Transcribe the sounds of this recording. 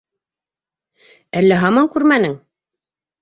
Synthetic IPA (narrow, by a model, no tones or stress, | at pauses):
ælːæɦɑmɑŋkʉɾmænɘŋ